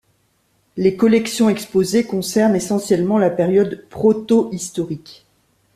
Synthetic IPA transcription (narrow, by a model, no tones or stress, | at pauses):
lekɔlɛksjɔ̃ɛkspozekɔ̃sɛʁnesɑ̃sjɛlmɑ̃lapɛʁjɔd̪pχɔt̪oʔist̪ɔʁik